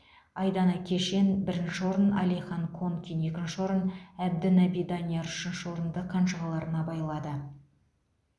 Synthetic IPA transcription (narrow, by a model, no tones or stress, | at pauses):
ɑjd̪ɑnɑkʲʰe̞ʃe̞nbɪɾɪnʃɪwo̞ɾənɑ̰lijχɑŋkʰoŋkʲijne̞kʲɪnʃɪwo̞ɾənæb̚d̪ɪnɑbijd̪ɑnʲijeɾʏʃɪnʃɪwo̞ɾənd̪əqʰːɑnʃəʁəlˠɑɾənɑbɑjlˠɑd̪ə